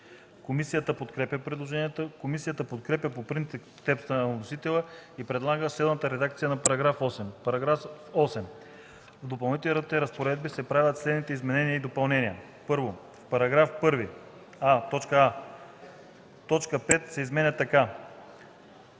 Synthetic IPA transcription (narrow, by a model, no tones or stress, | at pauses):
komisijət̪əpot̪kɾɛpʲjəpɾɛd̪lˠoʒɛnijət̪əkomisijət̪əpot̪kɾɛpjʲəpopɾint̪ikst̪ɛpst̪ənɐnosit̪ɛlˠəipɾɛd̪lˠaɡəsɛd̪mət̪əɾɛd̪ak̚t̪sijənɐpɐɾɐɡɾafɔsɛmpɐɾɐɡɾaf | ɔsɛm | vd̪opɐlˠnit̪ɛiɾət̪ɛɾɐspoɾɛd̪̚bisɛpɾavʲɐt̪slɛd̪nit̪ɛizmɛnɛniəid̪opɐlˠnɛniə | pɤɾvo | fpɐɾɐɡɾafpɤɾvi | at̪ɔt͡ʃkəa | t̪ɔt͡ʃkəpɛt̪sɛizmɛnʲət̪ːɐka